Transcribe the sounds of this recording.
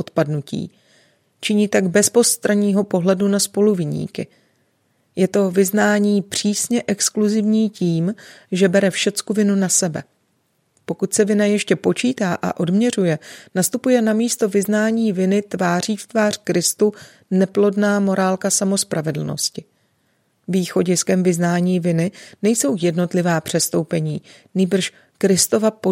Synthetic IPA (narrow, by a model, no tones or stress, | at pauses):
ʔot̪padnucḭː | t͡ʃɪɲiːt̪aɡbɛspo̞st̪ɾaɲiːɦo̞po̞ɦlɛdunaspo̞luvɪɲḭːkɪ | jɛt̪o̞vɪznaːɲiːpr̝̥iːsɲɛʔɛkskluzɪvɲiːciːmʒɛbɛɾɛfʃɛt͡skuvɪnunasɛbɛ | po̞kut̪sɛvɪnajɛʃcɛpo̞t͡ʃiːt̪aːʔa̰ʔo̞dmɲɛr̝ujɛnast̪upujɛnamiːst̪o̞vɪznaːɲiːvɪnɪt̪vaːr̝iːft̪vaːr̝̥kɾɪst̪u | nɛplo̞dnaːmo̞ɾaːlkasamo̞spɾʔavɛdl̩no̞̰scɪ | viːxo̞ɟɪskɛmvɪznaːɲiːvɪnɪnɛjso̞wjɛdno̞t̪lɪvaːpr̝̥ɛst̪o̞wpɛɲiː | niːbr̩ʃ | kɾɪst̪o̞vapo